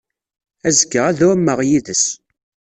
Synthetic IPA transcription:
æzəɡəʁæðʊmːəʁjiðəs

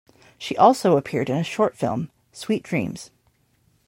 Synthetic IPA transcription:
ʃiʔɔlˠsoʊəpʰɪɹɾɨ̃nɨʃɔɹtfɪ̰lˠm | swit̚d̥ɹḭ̃mz̥

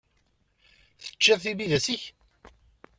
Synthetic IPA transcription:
θə̥t͡ʃːɪðθibiðæsiç

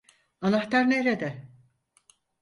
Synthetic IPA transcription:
anaxt̪aɾneɾed̪ɛ

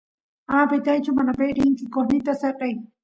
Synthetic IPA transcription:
apɪt̪ajt͡ʃʊmanapejɾɪŋkɪkoɾnɪt̪aseɾqɑj

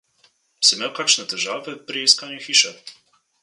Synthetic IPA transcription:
simeːwkaːkʃnɛt̪ɛʒaːvɛpɾiiskaːnjuxiːʃɛ

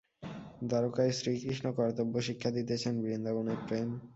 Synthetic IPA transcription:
d̪aɾokajsɾikɾiʃnokɔɾat̪obːoʃikʰːad̪it̪et͡ɕʰenbiɾind̪aɡoneɾpɾem

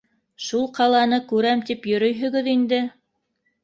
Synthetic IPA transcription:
ʃulˠqɑlˠɑnɤkʉɾæmt̪ipjɵ̆ɾɵ̆jɦɵ̆ɡɵðind̪ɘ

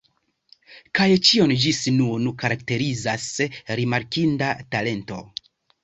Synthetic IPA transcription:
kajt͡ʃio̞nd͡ʒisnunkaɾakte̞ɾizasɾimaɾkindatale̞nto̞̰

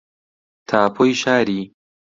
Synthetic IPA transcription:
t̪ʰaːpʰojʃaːɾiː

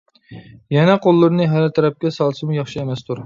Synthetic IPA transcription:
jɛnɛqʰolˠːɨɾɨnɨɦælt̪ʰɛɾɛp̚kʲɛsɑlˠsɨmujɑχʃiemɛst̪ʰuɾ

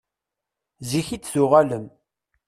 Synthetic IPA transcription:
ziçit͡sːθʊʁaləm

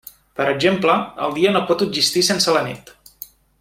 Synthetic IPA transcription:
pəɾəɡʒempləə̰lˠd̪iənopɔt̪uʒist̪isensələnḭt̪

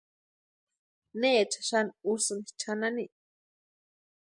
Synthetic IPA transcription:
nejat͡ʃʰḁʃanusɨnit͡ʃʰanani

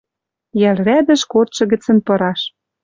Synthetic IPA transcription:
jælræd̪ə̆ʃkot̪ʃɤ̆ɣɘ̆t͡sə̆npɤ̆ɾɑʃ

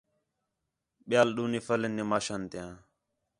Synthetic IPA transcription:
ɓɪjaːlɗuːniːfələnːiːmaːʃaːnt̪ɪjãː

